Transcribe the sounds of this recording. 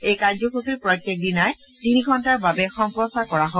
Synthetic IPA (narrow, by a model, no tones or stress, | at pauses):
ejkajzɔxusiɹpɹɔjtːek̚dinaj | tiniɡʱɔntaɹbabɛxɔmpɹɔsaɹkɔɹaɦo